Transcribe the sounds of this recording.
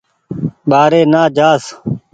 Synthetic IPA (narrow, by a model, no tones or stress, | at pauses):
ɓaːɾeːnaːd͡ʒaːs